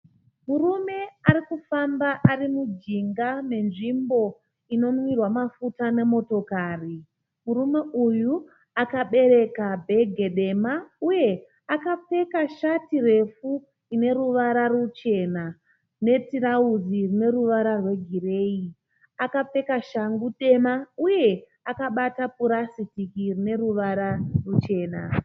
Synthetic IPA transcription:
murume̞aɾikufambaʔarimud͡ʒiŋɡame̞nʐimbo̞ | ino̞mwirwamafutane̞mo̞to̞kaːri | murume̞ʔuju | akaɓe̞ɾe̞kabʱe̞ɡʱe̞ɗe̞mauje̞ | akap͡fe̞kaʃatire̞fu | ine̞ɾuʋaɾarut͡ʃe̞na | ne̞tirauzirine̞ruʋaɾarwe̞ɡʱire̞ːi | akap͡fe̞kaʃaŋɡuɗe̞mauje̞ | akaɓatapuɾasitikirine̞ɾuʋaɾarut͡ʃe̞ːna̰

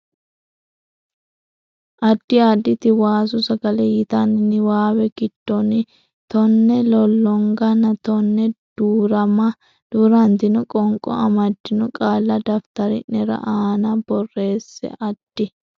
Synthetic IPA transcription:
ʔɐd̪̥ːɪaːd̪ːɪt̪ɪwaːsʊsɐɡɐlɛjɪt̪ɐnɪnɪwaːwɛɡ̥ɪd̪̥ːɔnɪ | t̪ɔnːɛlɔlːɔŋɡɐnɐt̪ɔnːɛd̪̥uːɾɐmɐ | d̪̥uːɾɐnt̪ɪnɔkʼɔŋkʼɔ̰ɐmɐd̪ːɪnɔkʼaːlːɐd̪ɐft̪ɐɾɪ̰nɛɾɐ̰ʔaːnɐbɔrːe̞ːsːɛ̰ʔɐd̪̥ːɪ

